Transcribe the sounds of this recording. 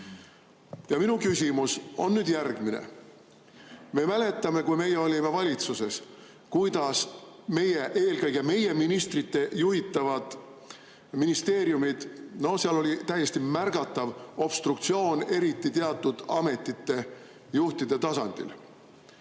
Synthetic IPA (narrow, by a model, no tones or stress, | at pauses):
jɑminukysʲimuso̞̰nːyd̪̥jærɡ̥minḛ | me̞mæle̞t̪ːˑɑme̞kujme̞jːeo̞lʲime̞vɑlʲit̪suse̞s | kujd̪̥ɑsme̞jeʔe̞ːlɡɤjɡ̥eme̞je̞minist̪rit̪ːe̞juɦit̪ːˑɑvɑd̪̥ | minist̪e̞ːɾjumid̪̥no̞seɑlo̞lʲit̪æjːe̞st̪imærɡ̥ɑt̪ːˑɑvo̞b̥st̪rukt̪sio̞ːne̞ɾit̪ːˑit̪eɑt̪ːˑud̪̥ɑ̰me̞t̪ˑːit̪ːe̞ | juht̪id̪̥e̞t̪ɑsɑnd̪̥ḭl